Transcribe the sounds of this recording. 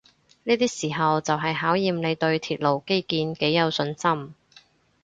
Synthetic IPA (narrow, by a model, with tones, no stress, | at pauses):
niː˥t̪iː˥siː˨˩ɦɐ˨wt͡sɐ˨wɦɐ˨jɦaː˨˥wjiː˨mle˨˧jt̪ɵ˧ɥt̪ʰiː˨t̚lo˨˩wke˥jkiː˧nke˨˥jːɐ˨˧wsɵ˧nsɐ˥m